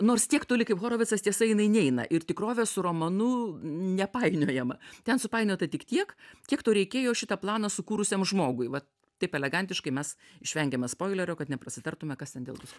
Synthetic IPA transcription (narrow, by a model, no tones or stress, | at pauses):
noːrst̪ʲiɛkt̪oːlʲɪkɐɪpxoːɾoːʋʲɪt̪t͡ssɐst̪ʲiɛsɐɪnɐɪnʲɛɪnɐ̰ʔɪɾt̪ʲɪkroːʋʲesʊroːmonʊnʲɛpɑɪnʲoːjɛmɐt̪ʲɛnsʊpɑɪnʲoːt̪ɐt̪ʲɪkt̪ʲiɛkkʲiɛkt̪oːɾʲɛɪkʲeːjoːʃʲɪt̪ɐplˠɑːnɐsʊkuːɾʊsʲeːmʒmoːɡʊɪʋɐ | t̪ɐɪpɛlʲɛɡɐnʲt̪ʲɪʃkɐɪmʲɛsɪʃʲʋʲɛŋʲɡʲɛmʲɛspoːɪlʲɛɾʲoːkɐt̪nʲɛprɐsʲɪt̪ɐrt̪ʊmʲɛkɐst̪ʲɛnd̪ʲḛːlˠd̪ʲʊs